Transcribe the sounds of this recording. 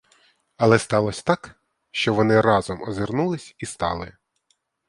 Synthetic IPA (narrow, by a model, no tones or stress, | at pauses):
ɐlˠɛst̪ɑlˠɔsʲɐ̥t̪ɑk | ʃt͡ʃɔʋɔnɪɾɑzɔmɔzɪrnulˠɪsʲist̪ɑ̰lˠɪ̰